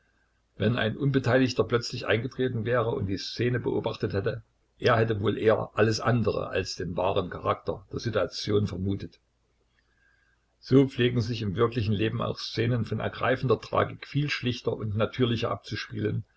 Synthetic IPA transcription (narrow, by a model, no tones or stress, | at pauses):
vɛna̰ɪnʔʊnbətʰaɪlɪçtɐplœt͡slɪçʔa̰ɪnɡətʁ̥eːtn̩vɛːʁəʊ̰nt̚d̥iːst͡seːnəbəʔo̰ːbaχtəthɛtə | ʔeːɐhɛtəvoːlʔeːɐ̰ʔaləsʔandəʁə̰ʔa̰lsd̥eːnvaːʁ̞ənkʰaʁak̚tɐ̰d̥eːɐzituat͡sjoːnfɛɐmuːtət | z̥oːp͡fleːɡŋ̩zɪçɪmvɪɐklɪçn̩leːbm̩ʔa̰ʊxst͡seːnənfɔnɛ̰ɐɡʁa̰ɪfn̩dɐtʁ̥a̰ːɡɪkfiːlʃlɪçtɐʔʊntnatʰyːɐlɪçɐ̰ʔa̰p̚t͡suʃpiːlən